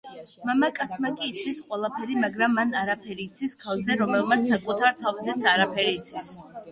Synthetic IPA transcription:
mamakʼat̪sʰmakʼiːt̪sʰisqʼwɛlˠapʰɛɾimaɡɾamːanaɾapʰɛɾiːt̪sʰiskʰalˠzɛɾɔmɛlˠmat̪s̬ʰsːakʼut̪ʰaɾt̪ʰavzɛt̪sʰaɾapʰɛɾiːt̪sʰis

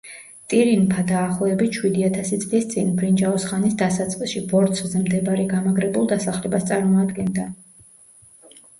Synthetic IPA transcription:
t̪ʼiɾinpʰad̪aːχˠɔɛbiʃwid̪iat̪ʰasit̪sʼlist̪sʼinbɾind͡ʒaɔsχanisd̪asat̪sʼqʼisʃibɔɾt̪sʰzɛmd̪ɛbaɾɛɡamaɡɾɛbulˠd̪asaχlɛbast̪sʼaɾmɔad̪ɡɛnd̪a

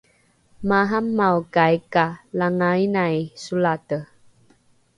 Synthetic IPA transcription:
maɦamːawkajkalaŋainajsulatə

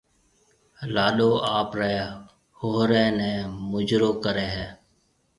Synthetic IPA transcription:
laːɗoːʔaːpɾɛː | hoɦɾɛːnɛ̃ːmʊd͡ʒɾoːkəɾeːɦɛː

